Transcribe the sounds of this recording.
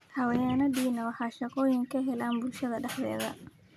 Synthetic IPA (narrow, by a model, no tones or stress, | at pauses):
hɐwɐjaːnɐdiːnɐwɑħɑːʃɑqɔːjɪŋkʰɐɦɛlaːnbʊlʃɐðɐɖɛħðɛ̰ːðɐ̰